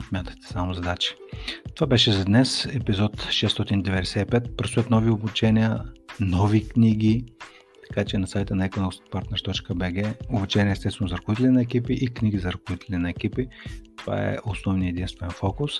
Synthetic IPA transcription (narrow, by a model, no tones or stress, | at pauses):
smʲjat̪ə̥t̪ɛ̥samʊzɐd̪at͡ʃə̥t̪ovabɛʃɛzɐd̪nɛsɛpizɔt̪ʃɛst̪ɔt̪ind̪ɛvɛd̪ɛsɛipɛt̪pɾɐst̪ət̪nɔviobut͡ʃɛnʲiənɔvikniɡʲi | t̪ɐ̥kat͡ʃɛnɐsajt̪ənɐɛkonɔspaɾt̪nɛɾt̪ɔt͡ʃkəbɛɡɛobut͡ʃɛnʲiəɛsɛsvɛnʊzɐɾɐkʊvit̪ɛlinɐɛkipiʔikniɡizɐɾəkʊvit̪ɛlʲinɐɛk̟ipit̪ova̰ɛ̰ʔosnɔvnijəɛd̪inst̪voɛnfɔkʊs